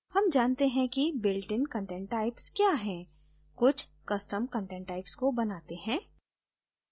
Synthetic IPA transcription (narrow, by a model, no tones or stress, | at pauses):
hɐmd͡ʒaːnt̪eɦɛ̃kibɪlʈɪ̃nkɐ̃ɳʈɛ̃ːɳʈːaːɪpskjaːɦɛ̃ː | kʊt͡ʃʰ | kɐsʈəmkə̃ɳʈɛ̃ːɳʈːaːɪpskobɐnaːt̪eɦɛ̃ː